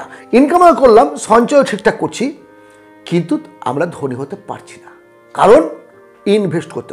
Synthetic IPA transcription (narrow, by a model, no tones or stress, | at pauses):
inkamakoɾlamʃɔnt͡ɕɔeoʈʰikʈakːoɾt͡ɕʰi | kint̪ua̰mɾad̪ʱoniɦot̪epa̰ɾt͡ɕʰi̥na | kaɾon | inbʱesʈko̰ɾt̪ːe